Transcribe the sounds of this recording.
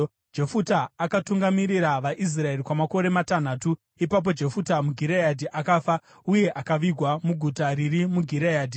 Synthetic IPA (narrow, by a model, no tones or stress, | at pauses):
d͡ʒe̞futaːkatuŋɡamiɾiɾaʋaʔis̬rae̞rikwamako̞ɾe̞matan̤aːtu | ipap̬o̞d͡ʒe̞futamuɡʱiɾejadʱiʔakaːfa | uje̞ʔakaʋiɡʱwamuɡʱutaɾirimuɡʱiɾejaːdʱi